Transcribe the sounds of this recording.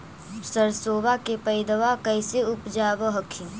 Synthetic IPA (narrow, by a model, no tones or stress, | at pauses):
səɾsoːbakepɐɪd̪əʋakəɪseʊpd͡ʒaːʋəɦəkʰĩ